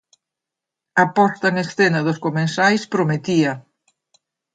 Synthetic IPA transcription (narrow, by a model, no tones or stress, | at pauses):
ɐpɔst̪ɐŋesθenɐðʊskomẽnsajspɾomet̪iɐ